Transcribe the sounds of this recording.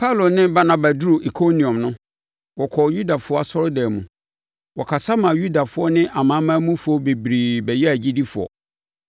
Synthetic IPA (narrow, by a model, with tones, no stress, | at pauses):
pʰa˦˨lo˨nɪ̃˦ba˦nã˦ba˨du˦ɾo˨ʔi˨kʰo˦nĩ˨ɔ̃˨mnʊ̃˦ | wɔ˨kʰɔ˨ju˦da˨fʊ˦ɔ˦a˨sɔ˦ɾʊ˦dɛ˨mũ˨ | wɔ˨kʰa˨sa˦mã˨ju˦da˨fʊ˨˦ɔ˦nɪ̃˦ʔa˨mãː˨˦mãː˦mũ˦fʊ˨ɔ˦be˨bɾiː˨bɛ˨jɛ˦æ˨d͡ʑi˦di˦fʊ˨ɔ̰˨